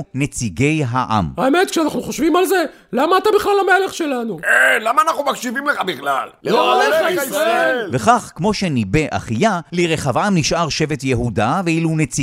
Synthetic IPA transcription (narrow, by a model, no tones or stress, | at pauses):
net͡siɡe̞jɦaʔa̰maeme̞t̪̚kʃeanaχnuχoʃvimalze̞ | lamaːt̪abiχlalamele̞χʃe̞lanukenlamaːnaχnumakʃivimleχabiχlalloaeaiasʁaelveχaχkmo̞ʃe̞nibe̞ʔa̰χijaliʁeχavamniʃʔaʁʃe̞vet̪jeɦudaveilunet͡si